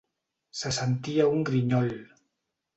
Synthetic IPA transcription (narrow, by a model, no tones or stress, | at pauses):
səsənt̪iauŋɡɾiɲɔʎ